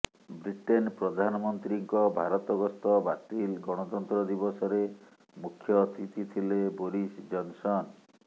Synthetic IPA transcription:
bɾiʈenpɾɔd̪ʱanɔmɔnt̪ɾiŋkɔbʱaɾɔt̪ɔɡɔst̪ɔbat̪ilɡɔɽ̃ɔt̪ɔnt̪ɾɔd̪ibɔsɔɾe | mukʰːjɔt̪it̪it̪ʰileboɾisd͡ʒɔnsɔn

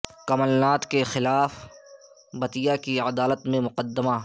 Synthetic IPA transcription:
kɐməlnaːt̪kexɪlaːf | bɐt̪ijakiəd̪aːlət̪mẽmʊqəd̪ːəma

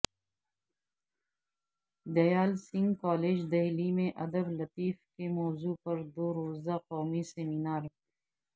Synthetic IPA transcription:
d̪ɐjaːlsɪ̃ŋɡkɔːleːd͡ʒd̪ɐɦlimẽʔɐd̪əblɐt̪iːfkemɔːzupɐɾd̪oːɾoːzd̪aqɔːmiseminaːɾ

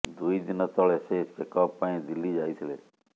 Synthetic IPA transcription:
d̪uid̪ɪnɔt̪ɔɭeseɪskekɔpːãĩd̪ɪlːiːd͡ʒaːit̪ʰɪleː

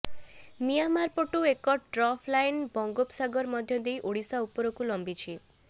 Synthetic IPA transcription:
mijanmaɾpɔʈuekɔʈɾɔpʰlajnbɔŋɡopsaɡɔɾmɔd̪ʱjɔd̪ejʔoɽisaupɔɾɔkulɔmbit͡ʃʰi

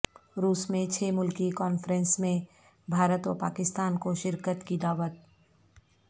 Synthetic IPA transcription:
ɾuːsmẽt͡ʃʰeːmʊlkikɔːnfɾɛ̃nsmẽ | bʱaːɾət̪ʋɔ̰ɾpa̰ːkɪst̪aːnkoʃɪɾkət̪kid̪aːʋət̪̚

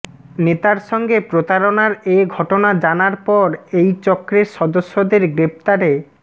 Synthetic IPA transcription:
net̪aɾʃɔŋɡepɾot̪aɾonaɾeɡʱɔʈonad͡ʑanaɾpɔɾejt͡ɕɔkːɾeɾʃɔd̪oʃːod̪eɾɡɾep̚t̪aɾe

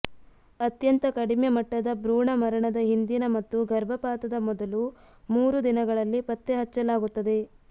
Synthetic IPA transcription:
ɐt̪jɐnt̪ɐkɐɽimjɐmɐʈːɐd̪ɐbɾuːɳɐmɐɾɐɳɐd̪ɐɦind̪inɐmɐt̪ːuɡɐɾbʱɐpaːt̪ɐd̪ɐmɔd̪ɐlu | muːɾud̪inɐɡɐɭɐlːipɐt̪ːeɦɐt͡ʃːɐlaːɡut̪ːɐd̪e̞

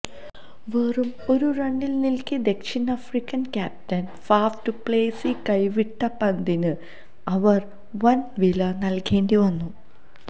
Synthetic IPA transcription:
ʋeːrumoɾurɐɳɖilnilkʲid̪e̞kʂinɐfrikːɐnkʲaːp̚tɐn | faːfʈɨple̞ːsikɐjʋiʈːɐpɐnd̪inɨ | ɐʋɐr | ʋɐnʋilɐnɐlkeːndiʋɐnːu

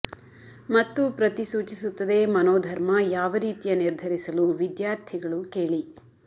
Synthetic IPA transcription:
mɐt̪ːupɾɐt̪isuːt͡ʃisut̪ːɐd̪e̞ːmɐnoːd̪ʱɐɾmɐjaːʋɐɾiːt̪ijɐniɾd̪ʱɐɾisɐluʋid̪jaːɾt̪ʰiɡɐɭuke̞ːɭi

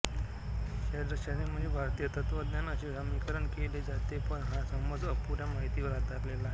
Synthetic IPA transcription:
ɕad̪ɾəɕad̪nem̤əɳd͡zebʱaɾt̪ijət̪ət̪ʋəd̪njanəɕeɡʱamikəɾəɳkeled͡zat̪epəɳɦasəmbəd͡zəpuɾjamaɦit̪iʋəɾɦat̪aɾlela

